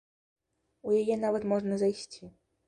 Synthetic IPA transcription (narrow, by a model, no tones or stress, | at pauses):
ujajɛn̪avɐt̪mɔʐnɐzajsʲt͡sʲi